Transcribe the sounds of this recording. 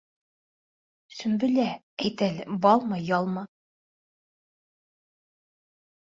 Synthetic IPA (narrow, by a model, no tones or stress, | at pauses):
sɵ̆mbɘ̆læ | æjt̪ælɘbɒlˠmɤjɑlˠmɤ